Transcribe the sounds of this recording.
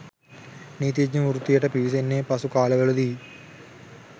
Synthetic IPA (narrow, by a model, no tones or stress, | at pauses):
niːt̪̬id͡ʒɲɐmuɾut̪ːijɐʈːɐpiːs̬enːepɐsukaːlɐɣɐɭud̪iji